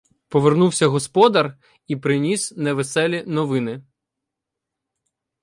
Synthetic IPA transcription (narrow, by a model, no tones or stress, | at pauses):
pɔʋernuwsʲɐɦɔspɔd̪ɐr | ipɾɪnʲisnɛʋesɛlʲinɔʋɪnɪ